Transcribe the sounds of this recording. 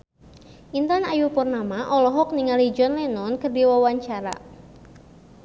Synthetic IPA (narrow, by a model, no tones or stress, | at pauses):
ʔint̪anajupɔrnamaʔɔlɔɦɔk̚niŋalid͡ʒɔnlɛnɔnkərdiwawaɲt͡ʃaɾa̰